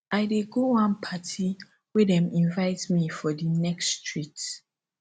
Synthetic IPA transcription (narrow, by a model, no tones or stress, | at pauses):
aɪdeɡowãnpʰatʰi | wedɛ̃mĩnvaɪtmifɔdinɛkstʰɹit